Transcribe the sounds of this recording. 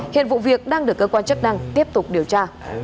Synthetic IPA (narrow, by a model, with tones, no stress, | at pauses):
hḭ˧˨ənvṵ˧˨vi˨˩ək̚ɗaː˧ŋɗɨ˨˩əkːəː˧kwaː˧nt͡ɕə˦˥k̚na˧ŋt̪i˦˥əp̚t̪ʊ˨˩k͡p̚ɗi˨˩əwt͡ɕaː˧